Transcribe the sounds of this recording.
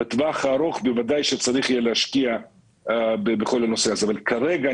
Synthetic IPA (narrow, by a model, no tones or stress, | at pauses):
et̪vaχaːɾo̞χbevadajʃet͡saɾiχijelehaʃkia | bebeχo̞lhano̞se̞azeavalkʰaɾeɡa